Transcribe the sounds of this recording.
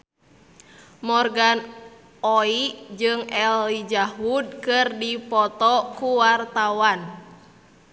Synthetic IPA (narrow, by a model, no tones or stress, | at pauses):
mɔrɡan | ɔiʔd͡ʒɨŋɛlːid͡ʒaɦud̚kɨrdipɔt̪ɔkuwart̪awan